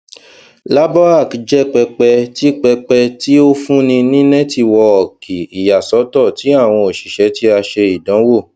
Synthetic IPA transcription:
la˦bɔ˦a˦˨kd͡ʒɛ˦k͡pɛ˧k͡pɛ˧ti˦k͡pɛ˧k͡pɛ˧ti˦o˦fũ˦nĩ˧nĩ˦nɛ̃˦ti˧˨wɔ˧ɔ˨kʰi˨i˨ja˨sɔ˨˦tɔ˦˨ti˨˦a˦˨w̃ɔ̃˧o˨ʃi˨ʃɛ˨˦ti˦a˧ʃe˧i˨dã˨˦wo˦˨

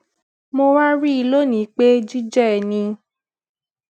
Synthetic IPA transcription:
mo˧wa˦ɾi˦i˧lo˦nĩ˨˦k͡pe˦d͡ʒi˦d͡ʒɛ˦˨nĩ˧

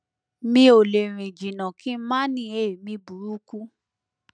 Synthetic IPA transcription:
mĩ˧˦o˨le˨ɾ̃ĩ˨d͡ʒi˨nã˨ki˦mã˦nĩ˧˦e˦˨mĩ˧bu˨ɾu˦ku˦

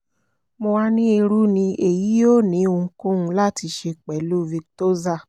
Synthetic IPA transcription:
mo˧a˧nĩ˦e˧ɾu˦nĩ˧e˨ji˨˦jo˦˨nĩ˨˦o˧˨˦kũ˦ũ˦˧la˦ti˧˦ʃe˧k͡pɛ˨˦lu˦vi˧kto˦za˦˨

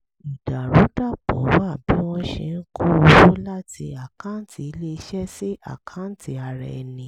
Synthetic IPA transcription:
i˨da˨ɾu˨˦da˦˨bɔ̰̃˨˦wa˦˨bĩ˨˦w̃ɔ̃˧ʃɛ̰˧˨n̩˦ku˦o˧wo˦la˦ti˧a˨kã˦ti˨˦˨le˦˧ʃɛ˦si˦ʔa̰˦˨kʰã˨˦n̩˦ti˧a˧ɾɛ˧nĩ˨˦

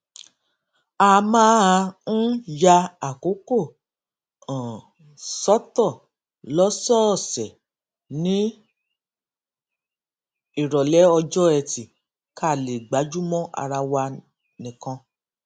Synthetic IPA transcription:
a˦˧mãː˦a˧ñ̩˦ja˧a˨ko˨˦ko˦˨ | ã˨ | sɔ˦tɔ˦˨ | lɔ˦sɔ˦˨sɛ˨ | nĩ˨˦ | i˦˨ɾɔ˨lɛ˨˦ɔ˧d͡ʒɔ˦ɛ˧˨ti˨ | kʰa˦˨le˨ɡ͡ba˨˦d͡ʒu˦mɔ̃˦ʔa̰˧ɾa˧wa˧ | nĩ˨kã˧

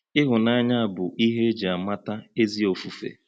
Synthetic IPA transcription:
ɪ˦ɦʊ˨na˦ɲa˦a˨bʊ˨ʔi˦ɦe˦d͡ʒa˨ma˦ta˦e˦zi˦o˨fu˨fḛ˨

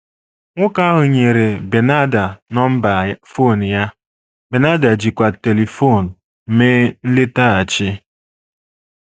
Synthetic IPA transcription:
ŋʷʊ˦ka˦ɦʊ˨ɲe˨ɾe˨be˨na˦da˨nɔ˦m̩˦ba˨fo˦˨n˨ja˦ | be˨na˦da˨d͡ʒi˨kʷa˨te˨li˨fo˦˨n̩˨ | m̩˨me˦n̩˦lɪ˦ta˦a˨t͡ʃɪ˦

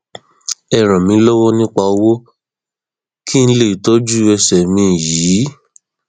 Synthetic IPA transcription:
ɛ˧˨ɾ̃ã˨mĩ˧˦lɔ˦wɔ˦nĩ˦k͡pa˧o˧wo˦ | ki˦n̩˦le˦˨i˨tɔ˦d͡ʒu˦ɛ˧sɛ˨mĩ˧˨jiː˨˦

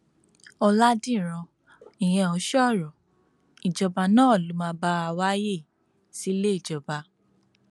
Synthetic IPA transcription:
ɔ˧la˦dĩ˦˨ɾ̃ã˧ | i˨j̃ɛ̃˧˨ɔ˨˦ʃɔ˦˨ɾɔ˨ | i˨d͡ʒɔ˧ba˧nãː˦˨lu˨˦mã˧˦ba˧˦a˧wa˦je˦˨ | si˦le˦i˦˨d͡ʒɔ˧ba˧

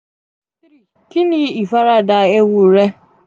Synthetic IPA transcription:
kɪ˦ni˦i˨fa˦ɾa˦da˨e˦wu˨ɾe˦

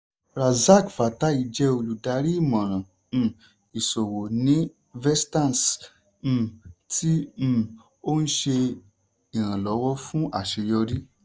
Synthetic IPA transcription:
ɾa˨za˦˨kfa˨ta˦i˧˨d͡ʒɛ˧o˧lu˨da˧˦ɾi˦i˦˨mã˨ɾ̃ã˨˦˨ | i˨so˨wo˨nĩ˨˦ | vɛ˦stã˦˨s̩˦˨ | tʰĩ˦˨ | o˦n̩˦ʃe˧ | i˨ɾ̃ã˨lɔ˨˦wɔ˦fũ˦ʔa˦˨ʃe˧jɔ˧ɾi˦

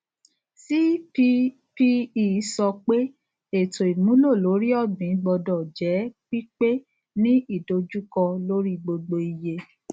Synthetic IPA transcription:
si˦fi˦ | fi˦i˨˦sɔ˧k͡pe˦ | e˨to˨i˨mũ˨˦lo˦˨lo˨˦ɾi˦ɔ˦˨bĩ˨˦ɡ͡bɔ˧dɔ˨d͡ʒɛ˨˦k͡pi˦k͡pe˦ | nĩ˦i˦˨do˧d͡ʒu˦kɔ˧lo˦ɾi˦ɡ͡bo˧ɡ͡bo˧i˨je˧

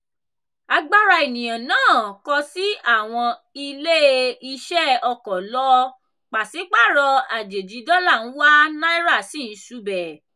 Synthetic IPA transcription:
a˧ɡ͡ba˦ɾa˧˨e˨nĩ˨j̃ã˨nãː˦˨kɔ˧si˦a˦˨w̃ɔ̃˧i˧le˦i˧ʃɛ˦ɔ˧kɔ˨lɔ˦ | k͡pa˨si˨˦k͡pa˦˨ɾɔ˧a˨d͡ʒe˨d͡ʒi˨˧˦dɔ˦la˦˨ñ̩˦wa˦nã˦i˦ɾa˦˨si˦˨ñ̩˨˦ʃu˦bɛ˨

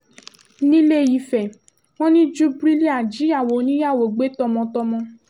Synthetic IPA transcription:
nĩ˦le˦˨ji˨˧fɛ˨ | w̃ɔ̃˦nĩ˦d͡ʒu˦bɾi˦li˦a˨d͡ʒi˨˦a˦˨wo˨˦nĩ˦ja˦˨wo˨ɡ͡be˨˦tɔ˧mɔ̃˧tɔ˧mɔ̃˧

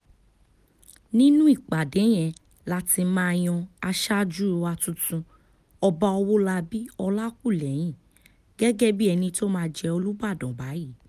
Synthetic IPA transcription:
nĩ˦nũ˦i˦˨k͡pa˨de˨˦j̃ɛ̃˧ | la˦ti˧mãː˦˧j̃ɔ̃˧a˧ʃa˦d͡ʒu˦˧wa˧tũ˦tũ˧ | ɔ˧ba˧ɔ˧wo˦la˧bi˦ɔ˧la˦ku˦˨lɛ˨˦j̃ĩ˦˨ | ɡ̥ɛ˦ɡɛ˦bi˦ɛ˧nĩ˧to˦mãː˧d͡ʒɛ˧o˧lu˦ba˦˨dɔ̃˨ba˨˦ji˦˨˦

